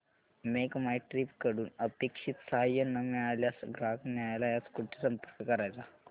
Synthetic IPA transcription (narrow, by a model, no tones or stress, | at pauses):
mekmajʈɾiːpkəɽuːnəpekʂit̪saɦajːənːəmɛɭaljasɡɾaknjaɭajlajat͡skuʈːisəmpəɾkəkəɾajt͡sa